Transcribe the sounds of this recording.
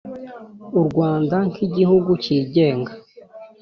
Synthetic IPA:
uɾɡwaːndaŋkʰiɟihuɡuciːɟe̞ːŋɡa

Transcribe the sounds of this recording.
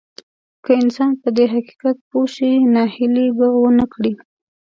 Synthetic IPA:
kəɪnsɑnpəd̪eɦaqi̥qat̪̚poʃinɑhɪlibawənəkɽi

